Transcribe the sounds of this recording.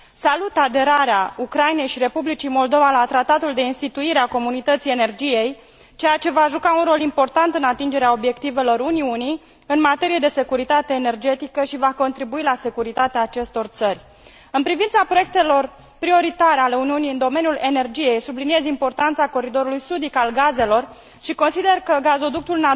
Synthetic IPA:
salut̪ad̪e̞ɾaɾeaukɾajne̞jʃiɾe̞publit͡ʃimo̞ld̪o̞valat̪ɾat̪at̪uld̪e̞inst̪it̪uiɾeako̞munit̪ət̪sije̞ne̞rd͡ʒije̞j | t͡ʃe̞jat͡ʃe̞vaʒukaunro̞limpo̞rt̪ant̪ɨnat̪ind͡ʒe̞ɾeao̞bje̞kt̪ive̞lo̞ɾuniuni | ɨnmat̪e̞ɾije̞d̪e̞se̞kuɾit̪at̪e̞ːne̞rd͡ʒe̞t̪ikəʃivako̞nt̪ɾibuilase̞kuɾit̪at̪eaːt͡ʃe̞st̪o̞rt̪sərʲ | ɨnpɾivint̪sapɾo̞je̞k̚t̪e̞lo̞r | pɾio̞ɾit̪aɾeale̞uniunijɨnd̪o̞me̞nʲjule̞ne̞rd͡ʒije̞jsublinie̞zimpo̞rt̪ant̪sako̞ɾid̪o̞ɾulujsud̪ikalɡaze̞lo̞r | ʃiko̞nsid̪e̞rkəɡazo̞d̪uk̚t̪ulna

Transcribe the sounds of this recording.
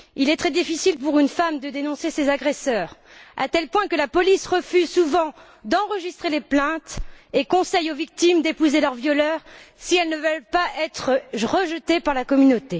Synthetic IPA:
ilɛt̪χɛd̪ifisilpuʁynfamd̪əd̪enɔ̃sesezaɡʁesœːʁa̰t̪ɛlpwɛ̃kəlapɔlisʁəfyzsuvɑ̃ | d̪ɑ̃ʁəʒist̪χeleplɛ̃t̪ekɔ̃sɛjovik̚t̪imd̪epuzelœʁvjɔlœːʁsiɛlnəvœlpaʔɛt̪χʁəʒət̪epaʁlakɔmynot̪e

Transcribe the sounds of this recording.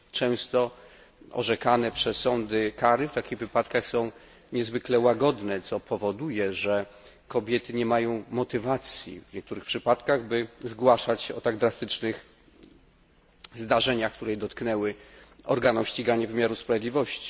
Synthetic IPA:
t͡ʂɛ̃w̃st̪ɔ | ɔ̰ʐɛkanɛpʂɛsːɔnd̪ɘkaɾɘft̪akʲiɣvɘpat̪kaxsɔ̃w̃ | ɲɛzvɘklɛwaɡɔd̪nɛt̪sɔpʰɔvɔd̪ujɛʐɛ | kɔbʲjɛt̪ɘɲɛmajɔ̃w̃mɔt̪ɘvat̪sʲjḭvɲɛk̚t̪uɾɘxpʂɘpat̪kaɣbɘzɡwaʂat͡ɕɛɔt̪aɡd̪ɾast̪ɘt͡ʂnɘx | zd̪aʐɛɲaxk̚t̪uɾɛd̪ɔt̪knɛwɘɔ̰ɾɡanumɕt͡ɕiɡaɲɛvɘmʲjaɾuspɾavʲjɛd̪lʲivɔɕt͡ɕi̥

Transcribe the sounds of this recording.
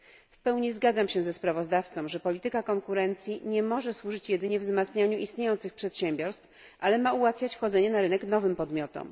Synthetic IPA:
fpɛwɲizɡad̪zamɕɛzɛspɾavɔzd̪aft̪sɔ̃wʐɛpɔlʲit̪ɘkakɔŋkuɾɛnt̪sʲjiɲɛmɔʐɛswuʐɘt͡ɕjɛd̪ɘɲɛvzmat̪sɲaɲuʔist̪ɲejɔnt̪sɘxpʂɛt̪ɕɛmbʲjɔɾst̪f | ʔalɛmauwat̪fʲjat͡ɕfxɔd̪zɛɲɛnaɾɘnɛknɔvɘmpɔd̪mʲjɔt̪ɔ̰m

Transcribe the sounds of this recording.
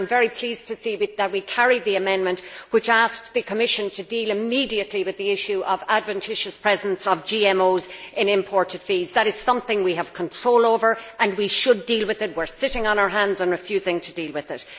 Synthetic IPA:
ɪ̃ɱvɛɹipʰl̥iz̥tʰɨsiwðət̚wikʰæɹid̪̚ðiɨmɛ̃nmə̃nʔwɪt͡ʃask̚ðɨkʰəmɪʃɨ̃ntʰɨdilˠɨmidiɨtˡliwɨðiɪʃʉʔʌvadvɨ̃ntʰɪʃɨspʰɹ̥ɛzə̃n̩sʌvd͡ʒiɛ̃moʊzɪ̃nɪ̃mpʰɔɹɾɨd̥fizðəɾɨz̥sʌ̃mθɪ̃ŋwiəv̥kʰə̃ntʰɹ̥oʊlˠoʊvə˞ə̃nwiʃədilˠwɨðɪt̚wɪɹsɪɾɪ̃ŋə̃naʊə˞ɦãndzə̃nɹɨfjʉzɪ̃ŋtʰədilˠwɪðɪt̚

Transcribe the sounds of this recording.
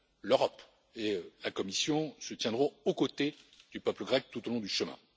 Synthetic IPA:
løʁɔp | eølakɔmisjɔ̃sət̪jɛ̃d̪ʁɔ̃okot̪ed̪ypœpləɡʁɛk̚t̪ut̪olɔ̃d̪yʃəmɛ̰̃

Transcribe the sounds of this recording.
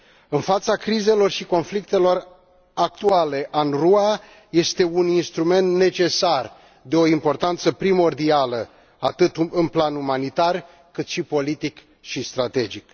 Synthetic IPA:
ɨnfat̪sakɾize̞lo̞rʃiko̞nflik̚t̪e̞lo̞r | ak̚t̪uale̞ʔanrua | je̞st̪e̞uninst̪ɾume̞nt̪ne̞t͡ʃe̞sar | d̪e̞o̞impo̞rt̪ant̪səpɾimo̞rd̪ialə | at̪ɨt̪ɨnplanumanit̪ar | kɨt̪ʃipo̞lit̪ik | ʃist̪ɾat̪e̞d͡ʒik

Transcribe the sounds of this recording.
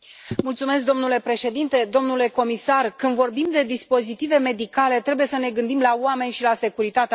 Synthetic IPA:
mult̪sume̞sk̚d̪o̞mnule̞pɾe̞ʃe̞d̪int̪e̞d̪o̞mnule̞ko̞misarkɨnvo̞rbimd̪e̞d̪ispo̞zit̪ive̞me̞d̪ikale̞t̪ɾe̞buje̞səne̞ɡɨnd̪imlaoame̞nʲʃilase̞kuɾit̪at̪e

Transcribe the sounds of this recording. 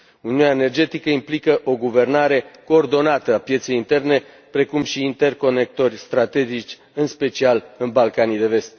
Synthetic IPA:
uniunʲaene̞rd͡ʒe̞t̪ikəimplikəʔo̞ɡuve̞rnaɾe̞ko̞ːrd̪o̞nat̪əapje̞t̪sejint̪e̞rne̞ | pɾe̞kumʃiːnt̪e̞rko̞ne̞k̚t̪o̞rʲst̪ɾat̪e̞d͡ʒit͡ʃʲ | ɨnspe̞t͡ʃialɨnbalkanijd̪e̞ve̞st̪

